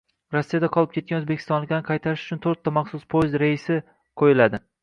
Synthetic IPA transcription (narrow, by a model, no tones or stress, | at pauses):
ɾasːijad̪aqʰɒlˠɪp̚kʲet̪̚kʲanɵzbekʲʰɪ̥st̪ɒnlɪkʲd̪aɪqʰɑjt̪ʰaɾɪʃʊ̥t͡ʃʰʊnt̪ʰoɾt̪ʰːamɑχsʊspʰojzɾaɪsɪ | qʰojɪlad̪ɪ